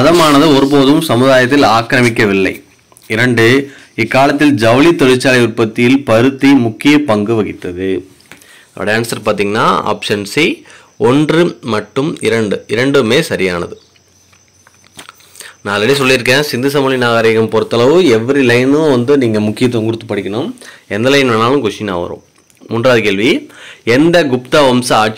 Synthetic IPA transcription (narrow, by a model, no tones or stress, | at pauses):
ɐðɐmaːnɐðɯɔɾɯp̬oːðɯmsɐmɯðaːjɐt̪ːɪlaːkɾɐmɪkːɐʋɪlːɐɪ | ɪɾɐɳɖɯ | ɪkːaːlɐt̪̬ːɪld͡ʒɐʋɐlit̪ɔɻɪt͡ʃːaːlɐɪʊɾpɐt̪ːɪjɪlpɐɾɯt̪ːimʊkːɪjɐpɐŋɡɯʋɐɣɪt̪ːɐðɯ | ɐʋɐ̰ɽɐjaːnsɐɾpaːɾt̪iːŋɡɐnːa̰ːa̰ːpʂɐnsi | ɔndrɯmɐʈːɯmɪɾɐɳɖɯɪɾɐɳɖɯmeːsɐɾɪjaːnɐðɯ | nãːɐlɐɽis̬ɔlːɪɾɯkːẽːsɪnd̪ɯs̬ɐmʊːlɪnaːɣaːɾɐɣɐmpɔɾɯt̪ːɐlɐʋɯɛʋːɐɾilɐɪnɯ̃ʋɐnd̪ɯniːŋɡɐmʊkːɪjɐt̪̬ːɔŋɡɯɾɯt̪ːɯpːɐɽɪkʲːɐnɯmɛnd̪ɐlɐɪnʋɐnːaːlɯ̃ɡʊʂɪna̰ːʋɐ̰ɾõ̰ː | mʊndraːðɯkeːɭʋiɛnd̪ɐɡʊp̚t̪aːʋɔmsɐaːʈ̚t͡ʃ